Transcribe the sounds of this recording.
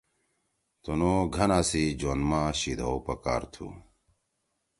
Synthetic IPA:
t̪unoɡʱɐnaːsid͡ʑonmaɕid̪ʱowpɐka̰ːɾt̪ʰṵ

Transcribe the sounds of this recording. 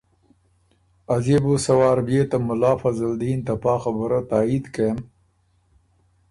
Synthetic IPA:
ɐzibusɐwaːɾbjeːt̪ɐmʊlaːfɐzɐld̪iːnt̪ɐpaːxɐbəɾat̪aːid̪kem

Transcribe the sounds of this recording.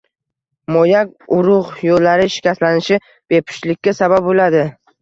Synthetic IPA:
mojakʲ | ʊɾʊʁjolːaɾɪʃɪ̥kʲaslanɪʃɪ | b̥e̞pʰɪ̥t͡ʃlɪkʲːasabap̚bolad̪ɪ

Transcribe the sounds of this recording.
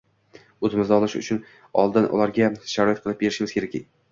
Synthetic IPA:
ozɪmɪzd̪aɒlˠɪʃʊ̰t͡ʃʰʊn | ɒ̰lˠd̪ɪnʔʊ̰laɾɡʲaʃaɾɒjjt̪̚qʰɨlˠɪp̚be̞ɾɪʃɪmɪzkʲe̞ɾakʲɪ̰

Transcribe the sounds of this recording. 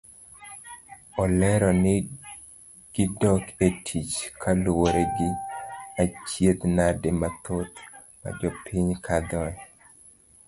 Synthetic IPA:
ɔlɛɾɔnɪ | ɡ̥ɪdɔketʰit͡ʃkʰalwoɾeɡɪat͡ʃjet̪nademat̪ot̪ | ma̰d͡ʒɔpʰiɲkʰad̪ɔɛ

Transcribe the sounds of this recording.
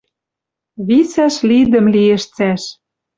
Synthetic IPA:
βisæʃlid̪ə̆mliĕʃt͡sæʃ

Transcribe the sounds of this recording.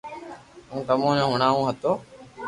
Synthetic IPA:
ũːt̪əmõːɲõːɦʊɳaːũːɦət̪oː

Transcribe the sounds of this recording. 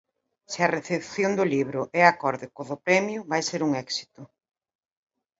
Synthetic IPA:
sɪɐreθepθjond̪ʊliβɾʊʔɛakɔɾðɪkoðʊpɾɛmjʊβajseɾuŋɛksi̥t̪ʊ

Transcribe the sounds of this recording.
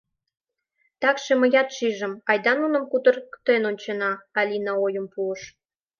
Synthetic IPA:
t̪ɑkʃemə̆jɑt̪ʃiʒə̆mɑjd̪ɑnunə̆mkut̪ə̆rkt̪enonʲt͡ɕenɑːlʲinɑojəmpuəʃ

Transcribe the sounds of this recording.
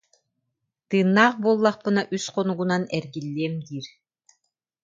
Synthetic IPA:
t̪ɯːnːaːχbuɔlˠːaχpɯnaʔysqɔnuɡunanɛɾɡilːiɛmd̪iːɾ

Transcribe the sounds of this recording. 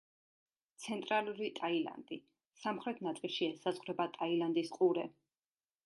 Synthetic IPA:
t̪sʰɛnt̪ʼɾalˠuɾit̪ʼaila̰nd̪i | samχɾɛt̪ʰnat̪sʼilˠʃiɛsazʁɾɛbat̪ʼailand̪isqʼuɾɛ

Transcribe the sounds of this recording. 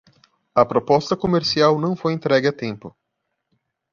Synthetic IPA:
ɐpɾopɔst̪ɐkomeɾsiawnɐ̃w̃fojẽnt̪ɾɛɡɪɐt̪ẽmpʊ

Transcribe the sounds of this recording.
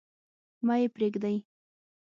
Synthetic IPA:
mɑjepɾeɡd̪aj

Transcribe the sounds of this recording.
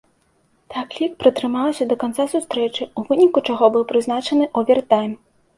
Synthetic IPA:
t̪aklʲik̚pɾɨt̪ɾɨmawsʲɐd̪ɐkant̪sasust̪ɾɛt͡ʂɨuvɨnʲikut͡ʂaɣɔbɨwpɾɨznat͡ʂɐnɨʔɔvʲɛrt̪ajm

